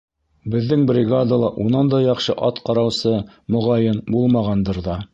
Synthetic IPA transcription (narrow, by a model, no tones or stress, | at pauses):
bɘ̆ðːɘŋbrʲɪɡad̪alˠɑʔunɑnd̪ɑjɑχʃɤʔɑt̪qɑɾɑwsɤ | mŏʁɑjɤnbulˠmɑʁɑnd̪ɤɾðɑ